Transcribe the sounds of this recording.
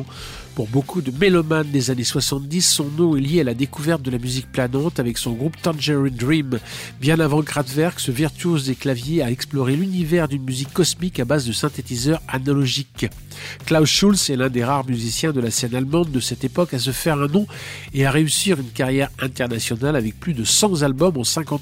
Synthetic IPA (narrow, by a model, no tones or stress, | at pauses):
puʁbokʰud̪əmelɔmand̪ezaneswasɑ̃t̪d̪isːɔ̃nɔ̃ɛljealad̪ekuvɛʁt̪̚d̪əlamyzik̚planɑ̃t̪avɛksɔ̃ɡʁupt̪ɑ̃nʒɛʁĩnd̪ʁimbjɛ̃navɑ̃ɡʁad̪vɛʁɡsəviʁt̪yozd̪eklavjeaɛksplɔʁelynivɛʁd̪ynmyzikːɔsmikabazd̪əsɛ̃t̪et̪izœʁanalɔʒik | klawʃulsɛlɛ̃d̪eʁaʁmyzisjɛ̃d̪əlasɛnalmɑ̃d̪̚ːəsɛt̪epɔkas̬əfɛʁɛ̃nɔ̃eaʁeysiʁynkaʁjɛʁɛ̃t̪ɛʁnasjɔnalavɛk̚plyd̪əsɑ̃zalbɔmɑ̃sɛ̃kɑ̃t̪